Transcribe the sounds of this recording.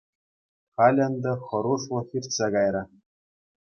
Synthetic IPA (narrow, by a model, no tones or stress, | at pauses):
χɑlʲɤ̆nd̪ɤ̆xɤ̆ɾuʂlɤ̆xʲirʲtʲsɑɡɑjɾɤ̆